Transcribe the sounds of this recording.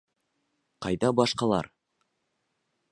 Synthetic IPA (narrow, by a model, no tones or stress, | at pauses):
qɑjd̪ɑbɑʃqɑlˠɑ̰ɾ